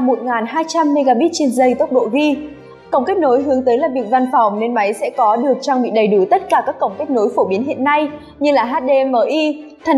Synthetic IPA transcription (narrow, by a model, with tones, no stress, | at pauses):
mo˨˩t̚ŋaː˨˩nɦaː˧jt͡ɕa˧mːe˧ɣaː˧ɓi˦˥t̚t͡ɕe˧nzə˧jt̪ə˦˥wk͡p̚ɗo̰˧˨ɣi˧ | kə˧˩wŋ͡mke˦˥k̚no˨˦jɦɨ˨˦əŋt̪əː˨˦jlaː˨˩vi˨˩ək̚va˧nfa˨˩wŋ͡mne˧nma˨˦jsɛ̰˧˥kɔ˨˦ɗɨ˨˩ək̚t͡ɕɔ˧ŋŋ͡mɓḭ˧˨ɗə˨˩jɗu˧˩t̪ə˦˥t̚kaː˧˩kaː˦˥kːə˧˩wŋ͡mke˦˥k̚no˨˦jfo˧˩ɓi˨˦ənɦḭ˧˨ənːa˧j | ɲɨ˧laː˨˩ɦaː˦˥t̚ɗe˧məː˧˩ʔi˧t̪ʰə˨˩